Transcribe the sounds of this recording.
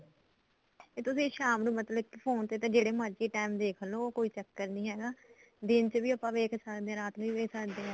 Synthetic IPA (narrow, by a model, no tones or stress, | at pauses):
eːt̪ʊsĩːʃaːmɾũːmət̪ləʋɪkpʰoːnt̪eːt̪ẽːd͡ʒeːɽeːmãːt͡ʃiːʈaːɪmd̪eːkʰəloːoːkoːiːt͡ʃəkːəɾnĩːɦɛːɡaː | d̪ɪnt͡ʃəʋiːəpːãːʋeːkʰsəkd̪eːɛ̃ːɾaːt̪nũːiːʋeːkʰsəkd̪eːɛ̃ː